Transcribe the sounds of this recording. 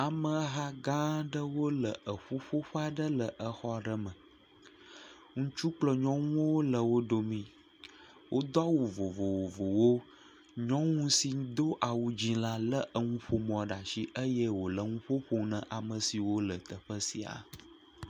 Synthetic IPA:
a˨mə̃˨˦ɦa˦ɡã˦ɖə˦wo˦lə˨ʔə˨ɸo˦ɸo˦ɸa˦ɖə˦lə˨ʔə˨xɔ˦˨ɖə˦mə̃˨ | ŋũ˦t͡ʃu˦k͡plɔ˨ɲɔ̃˦ŋũ˦wo˦lə˨wo˦ɖo˨mĩ˦ | wʔo˦d̪ɔ˦wu˨vo˨vo˨wo˨vo˨wo˦ | ɲɔ̃˦ŋũ˦si˨˦d̪o˦ʔa˨wu˨d͡ʑi˦la˦lə˦ʔə˨ŋũ˦ɸo˨mɔ̃˨ɖa˨ʃi˦ʔə˦jə˦wo˨lə˨ŋũ˦ɸo˦ɸo˦nə̃˨ʔa˨mə̃˨si˨wo˦lə˨t̪ə˨ɸə˦si˨a̰˨

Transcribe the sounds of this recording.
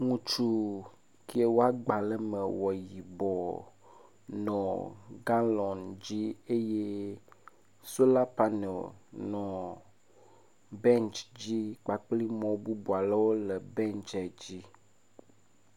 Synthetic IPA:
ŋũ˦t͡ʃu˦ | ki˦e˨wo˦a˦ɡ͡ba˨lɛ˦mɛ˨wɔ˨ji˨bɔ˨ | nɔ̃˨ɡa˦lɔ̃˨nd͡ʑi˦e˦je˦ | so˦la˦pa˦nɛ̰˨lnɔ̃˨ | bɛ̃˦nt͡ʃd͡ʑi˦k͡pa˨k͡pli˦mɔ̃˨bu˦bu˨a˨la˦wo˦lɛ˨bɛ̃˦nt͡ʃɛ˨d͡ʑi˦

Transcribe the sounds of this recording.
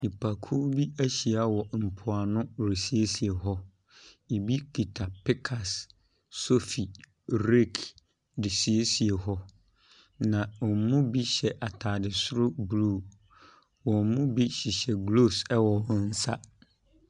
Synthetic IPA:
ni˨pʰa˨kʰu˦bi˦æ˦ɕi˨a˨wɔ˨m̩˨pʰʊ˨a˨nʊ̃˦ɾe˨si˦e˦si˨e˨ɦɔ˦ | i˨bi˦kʰi˨tʰa˨pʰɪ˦kʰa˨sː | o˦fi˨ | ɾe˦˨kʰ | dɪ˨si˨e˦si˨e˨hɔ˦ | nã˨ɔ˨m˨˦mũ˦bi˦ɕɛ˨ʔa˨tʰaː˨dɪ˨sʊ˦ɾʊ˦bɾu˦˨ | wɔ̃˨m˨mʊ̃˦bi˦ɕɪ˨ɕɛ˨ɡlo˦˨sɛ˦wɔ˨ɔ̃˦n̩˦sa˦

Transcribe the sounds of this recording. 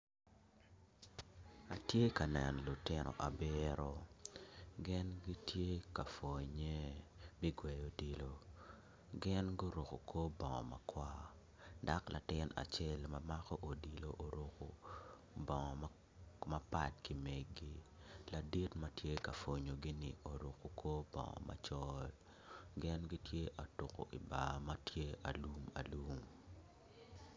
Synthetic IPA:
a˨tje˦ka˨nɛ˨nɔ˨lu˨tɪ˦nɔ̰˨ʔa˨bɪ˦ɾɔ˦ | ɡɪ˦nɡi˦tje˦ka˨fo˨ɲe˦bɪ˦ɡwɛ˨jo˨di˨lo˨ | ɡɪ˦nɡo˦ɾo˨ko˨kʰo˦bɔ˨ŋɔ̰˨ma˨kwa˦ | da˦klʔa̰˨tɪ˦na̰˨t͡ʃɛ˦lmama˦kɔ˦ʔo˨di˨lo˨ʔo˨ɾo˨ko̰˨ | bɔ˨ŋɔ˨ | ma˦pa˦˨tki˨mɛ˨ɡi˦la˨di˦tmɐ˦tje˦ka˨fo˨ɲo˨ɡɪ˦nɪ˨ʔo˨ɾo˨ko˨ko˦bɔ̰˨ŋɔ̰˨ma̰˦t͡ʃɔ˦l | ɡɪ˦nɡi˦tje˦ʔa˨to˨ko̰˨ʔi˨ba˨ma˦tje˦a˨lu˦ma̰˨lu˦m

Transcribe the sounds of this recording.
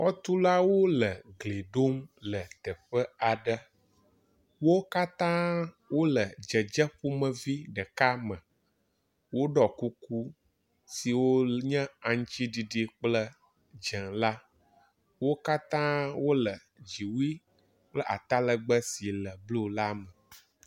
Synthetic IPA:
xɔ˦t̪u˦la˦wo˦lə˨ɡle˨ɖo˦mlə˨t̪ə˨ɸə˦a˨ɖə˦ | wo˦ka˦t̪ã˦ | wo˦lə˨d͡ʒə˨d͡ʒə˦ɸu˦mə̃˨vi˦ɖə˨ka˦mə̃˨ | wo˦ɖɔ˨ku˦ku˦ | si˨wo˦ɲɛ̃˦a˨ŋ̩˦t͡ɕi˦ɖi˨ɖi˨k͡plə˦ | d͡ʒɛ̃˨ŋla˦ | wo˦ka˦t̪ã˦wo˦lə˨ | d͡ʒi˨wi˦ | k͡plə˦ʔa˨t̪a˦lə˨ɡ͡bə˦si˨lə˨blu˦la˦mə˨

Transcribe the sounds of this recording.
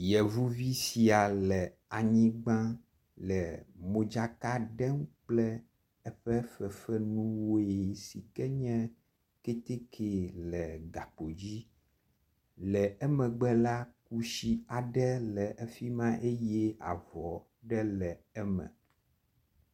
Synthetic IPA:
jɛ˨vu˦vi˦si˨a˨lɛ˨ | a˨ɲĩ˦ɡ͡bã˦ | lɛ˨mõ˨d͡ʒa˨ka˦ɖɛ˦mk͡plɛ˦ | ɛ˦ɸɛ˦fɛ˨fɛ˦nũ˦wo˦e˨si˨kɛ˦ɲɛ̃˦ | ke˦t̪e˦kʰe˨lɛ˨ɡa˨k͡po˨d͡ʑi˦ | lɛ˨ɛ˦mɛ̃˨ɡ͡bɛ˦la˦k̚u˦ʃi˦a˨ɖɛ˦lɛ˨ʔɛ˦fi˦mã˦ʔe˦jɛ˦a̰˨vɔ˨ | ɖɛ˦lɛ˨ɛ˦mɛ̰̃˨

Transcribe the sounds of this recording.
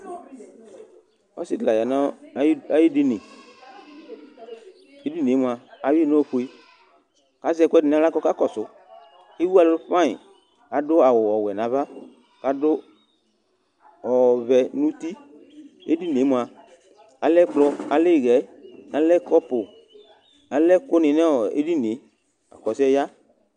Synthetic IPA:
ɔ̰˦sɪ˦dla˨ja˨nã˨˦a˨˦ji˦dɪ˦nɪ̃˨ | e˦di˦n˨e˨˦m˨a˨a˨wi˦nɔ˦ɸu˦i˦ | ka˨˦zɛ˦˨kʷɛ˦dɪ˨n˨a˦la˦kɔ˦ka˦kɔ˨sʊ˨˦ | e˦wu˦a˨lʊ˦ɸã˦ɪ̰˨ | a˨dʊ˦a˨wʊ˨ɔ˨wɛ˨nã˨va˦ | ka˨dʊ˦ | ɔ˨βɛ˨nũ˦ti˦ | e˦di˦˨n˨e˨˦mu˨a˨ | a˨lɛ˦k͡plɔ˧a˨le˦˨ɣɛ˨˦a˨lɛ˦kɔ˦pʊ˨ | a˨lɛ˦ko˦nɪ˨nɛ˦˨ḛ˦di˦ne˨˦ | a̰˨kɔ˨sɛ˦ja˦

